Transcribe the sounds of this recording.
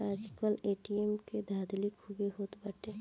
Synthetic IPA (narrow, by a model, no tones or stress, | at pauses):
ad͡ʒkəleʈiemked̪ʱad̪likʰːubeɦoːt̪bəʈe